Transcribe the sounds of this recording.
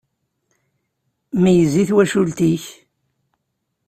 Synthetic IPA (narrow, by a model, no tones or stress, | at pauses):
mæjəzːiθwæʃult̪iç